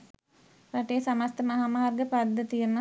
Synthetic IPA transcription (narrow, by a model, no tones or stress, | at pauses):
raʈeːsamast̪əmaɦamaɦarɡəpad̪ːət̪ijəmə